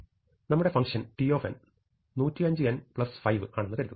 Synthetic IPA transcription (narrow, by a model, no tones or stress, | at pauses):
nɐmːuɽefɐŋkʂɐnʈioːfḛn | nuːtːiɐɲd͡ʑɨjɐnpɭɐsfɐjʋɨkaːɳɐnːɨkɐɾit̪ː